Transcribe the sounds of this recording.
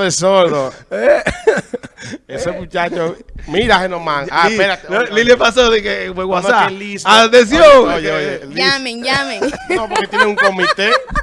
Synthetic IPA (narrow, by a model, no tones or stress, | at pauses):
ðesoɾðoe | eseput͡ʃat͡ʃomiɾahenomãŋaipenasoliljepasoðikefweɣwasaelisaðes̬jõŋojeojelamẽŋjamẽŋnopoɾket̪jeneŋuŋkomit̪e